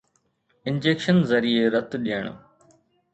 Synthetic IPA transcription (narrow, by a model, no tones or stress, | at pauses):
ɪ̃nd͡ʑeːkʃənzɐɾieɾɐt̪ɗiəɳ̃